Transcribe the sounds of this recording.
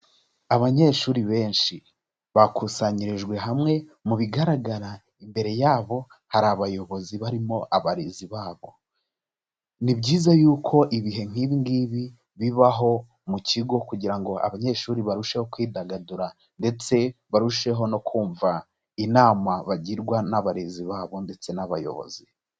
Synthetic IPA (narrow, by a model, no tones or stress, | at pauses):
aβaɲe̞ːʃuːɾiβe̞ːnʃi | βakusaɲiɾeʒɡwe̞ɦamŋe̞muβiɡaɾaɡaɾa | imbe̞ɾe̞jaːβo̞ | haɾaβajo̞βo̞ziβaɾimo̞ʔaβaɾiziβaːβo̞ | nibɟiːzajuːkʰo̞ʔiβiɦe̞ŋ̥iːβiŋɡiβi | βiβaɦo̞ | muciɡo̞kuɟiɾaŋɡo̞ʔa̰βaɲe̞ːʃuːɾiβaɾuʃe̞ho̞kwiːdaɡaduɾa | nde̞t͡se̞βaɾuʃe̞ɦo̞no̞kʰuːɱva | inaːmaβaɟiɾɡwanaβaɾeziβaːβo̞nde̞t͡se̞naβa̰jo̞̰βo̰zi